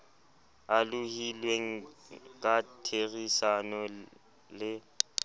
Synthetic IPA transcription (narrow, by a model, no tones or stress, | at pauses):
alʊhilweŋ̩kʼatʰeɣisanɔ | lɪ